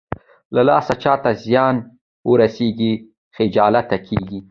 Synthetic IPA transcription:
lalɑsat͡ʃɑt̪azjɑn | wəɾaseɡi | xɪd͡ʒɑlat̪ːakʰeɡi

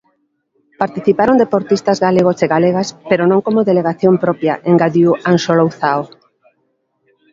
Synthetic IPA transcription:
paɾt̪iθipaɾond̪epoɾt̪ist̪azɣaleɣoseɣaleɣ̞aspeɾonõŋkomoðeleɣaθjompɾɔpja̰ʔeŋɡaðjuʔansolowθao

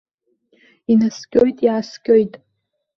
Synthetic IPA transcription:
inaskʲʼo̞jtʼiaskʲʼo̞jtʼ

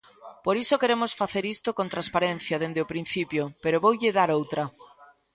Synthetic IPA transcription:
poɾisokeɾemosfaθeɾist̪okõnt̪ɾaspaɾenθjɐðend̪eʊpɾĩn̟θipjopeɾoβowʎɪðaɾowt̪ɾɐ

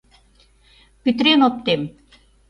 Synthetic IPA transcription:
pyt̪ɾenop̚t̪em

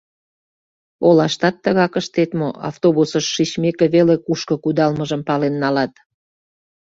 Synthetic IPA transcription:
olɑʃt̪ɑt̪ːəɣɑkəʃt̪et̪moʔɑ̰ft̪oβusəʃːit͡ɕmekeβelekuʃkəkud̪ɑlməʒəmpɑlenːɑlɑt̪

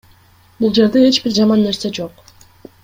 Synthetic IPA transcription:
bulˠd͡ʒe̞ɾd̪e̞e̞t͡ʃbiɾd͡ʒɑmɑnːe̞ɾse̞d͡ʒo̞q

